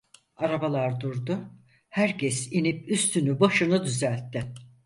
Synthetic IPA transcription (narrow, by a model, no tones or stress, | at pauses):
aɾabalˠaɾd̪uɾd̪ʊ | hæɾcʰɛsinipyst̪ʰynybaʃɯnɯd̪yzælʲt̪ʰːɪ